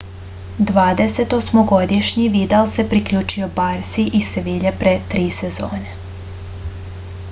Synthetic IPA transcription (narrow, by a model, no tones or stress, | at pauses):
d̪ʋaːd̪eset̪osmoɡo̞d̪iʃɲiʋid̪alˠse̞pɾikʎuːt͡ʃiobaɾsiʔiseʋiʎepɾet̪ɾiːsezoːne